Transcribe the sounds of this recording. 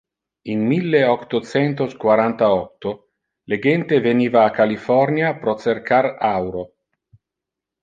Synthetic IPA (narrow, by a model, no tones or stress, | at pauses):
inmilːeɔkt̪ot͡sɛnt̪oskwaɾant̪aɔt̪ːo | leɡɛnt̪eveniːvaːkalifɔrnjapɾɔt͡serkʰaɾawɾo